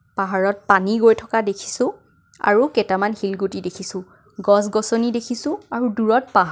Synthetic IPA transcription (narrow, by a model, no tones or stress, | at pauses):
paɦaɹɔt̚paniɡojtʰɔkadekʰi̥sʊ̃ | a̰ɹukɛtamanhilɡutidekʰisʊ̃ | ɡɔs̬ɡɔsɔnidekʰisʊ̃aɹuduɹɔt̚paɦ